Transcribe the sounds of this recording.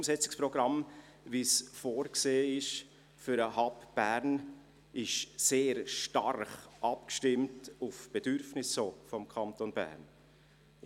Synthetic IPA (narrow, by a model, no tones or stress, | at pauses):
msɛt͡sɪ̥kspɾɔɡ̥ɾɑm | visfoːɾkseːɪʃ | fyɾəhɑpb̥æɾn | ʔɪʃseːɾʃtɑ̰ɾχʔɑp̚kʃtɪmtʊfb̥ɛdʏɾfnɪsːoːfɔmkʰɑntonbæ̰ɾn